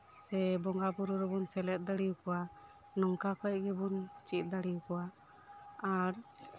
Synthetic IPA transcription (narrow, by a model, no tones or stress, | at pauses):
sɛbɔŋɡabuɾuɾɛbɔnsɛlɛt̪̚d̪əɽijukɔwa | nɔŋkakɔj̚ɡɛbunt͡ʃit̪̚ˀd̪aɽiukɔwa | aɾ